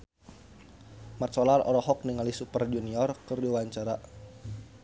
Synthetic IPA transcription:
mat̪sɔlaɾɔ̰ɾɔɦɔk̚niŋalisupərd͡ʒuniɔrkərdiwaɲt͡ʃaɾa

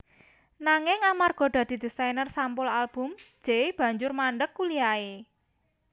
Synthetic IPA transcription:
naŋɪŋamarɡ̥ɔ̤d̪̥a̤d̪̥i̤d̪̥isajnərsampʊlalb̥ʊ̤m̥d͡ʒ̥eb̥ä̤ɲd͡ʒʊrmaɳɖəkːulijae

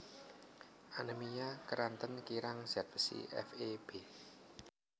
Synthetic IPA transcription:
ʔanəmijakəɾant̪ənkiɾaŋz̥at̪̚bə̥sḭɛ̰feb̥e

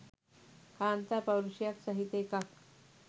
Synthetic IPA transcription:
kaːnt̪aɾpəwɾuɕijaksəɦit̪ekak

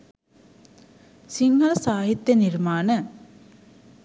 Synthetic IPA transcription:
siŋɡɐləsaːɦit̪jəniɾmaːnə

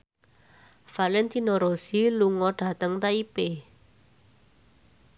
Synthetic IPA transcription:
falɛnt̪inoɾosiluŋɔɖ̥ä̤t̪əŋt̪aipe

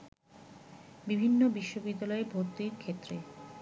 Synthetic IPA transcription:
bibʱinːobiʃːobid̪ːalɔebʱoɾt̪iɾkʰet̪ːɾe

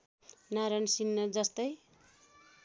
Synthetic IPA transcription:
naɾʌnsinːʌd͡zʌst̪ʌj

